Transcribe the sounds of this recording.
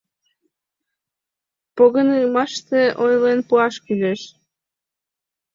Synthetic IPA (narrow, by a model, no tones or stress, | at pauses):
poɣənɯɣmɑʃt̪eʔojlenpuɑʃkylʲeʃ